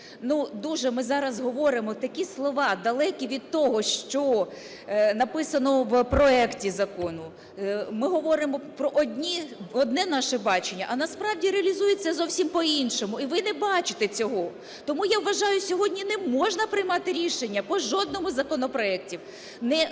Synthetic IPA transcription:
nud̪uʒɛmɪzɑɾɐzɦɔʋɔɾɪmɔt̪ɐkʲislˠɔʋɑd̪ɐlˠɛkʲiʋʲid̪̚t̪ɔɦɔʃt͡ʃɔ | nɐpɪsɐnɔwpɾɔɛktʲizɐkɔnʊ | mɪɦɔʋɔɾɪmɔpɾɔʔɔd̪ʲnʲiɔd̪̚nɛnɑʃɛbɑt͡ʃenʲːɐʔɐnɐspɾɑwdʲiɾeɐlʲizujɪt͡sʲːɐzɔwsʲimpɔinʃɔmʊiʋɪnɛbɑt͡ʃɪ̥t̪ɛt͡sʲɔɦɔ | t̪ɔmujaʋʋɐʒɑjʊsʲɔɦɔdʲnʲinɛmɔʒnɐpɾɪjmɑt̪ɪɾʲiʃenʲːɐpɔʒɔd̪̚nɔmʊzɐkɔnɔpɾɔɛk̚tʲiw | nɛ

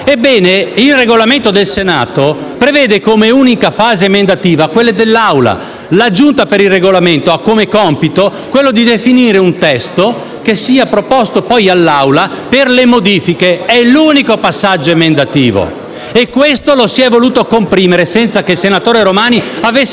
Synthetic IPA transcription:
ebːɛːneilreɡolament̪od̪elsena̰ːt̪o | pɾevɛːd̪ekomeuːnikafaːzemend̪at̪iːvakwelːed̪elːawla̰ | lad͡ʒunt̪apeɾilreɡolament̪oakːomekɔmpit̪okwelːod̪id̪efiniːɾeunt̪ɛst̪o | kesːiːapɾopɔst̪opɔjalːawla | perlemod̪iːfikeɛluːnikopasːad͡ʒːoemend̪at̪iːvo̰ | ekːwest̪olosiɛvoluːt̪okompɾiːmeɾesɛnt̪sakelsenat̪oːɾeɾomaːniavesː

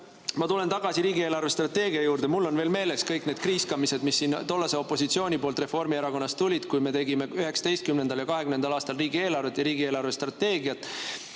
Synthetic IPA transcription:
mɑt̪ule̞nt̪ɑɡ̥ɑsiɾiːɡieːlɑrve̞st̪rɑt̪ːe̞ːɡ̥iɑjuːɾd̪emulːo̞nve̞ːlme̞ːle̞skɤjkned̪̥̚kriːskɑmise̞d̪misːiːnt̪o̞lːɑseo̞pːˑo̞sit̪sio̞ːnʲipo̞ːlt̪re̞fo̞rmieɾɑko̞nːɑst̪ulʲid̪̥kujme̞t̪e̞ɡime̞yhe̞ksɑ̥d̪e̞jst̪kymne̞nd̪ɑljɑkɑɦekymnend̪ɑlɑːst̪ɑlriːɡie̞ːlɑrve̞t̪ːjɑɾiːɡ̥ieːlɑrvest̪rɑt̪ːe̞ːɡiɑt̪ːˑ

